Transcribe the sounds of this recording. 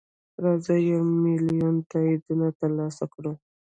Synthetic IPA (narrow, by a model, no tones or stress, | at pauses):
ɾɑzəjamɪlijunt̪aid̪unat̪əɾlɑsakɽu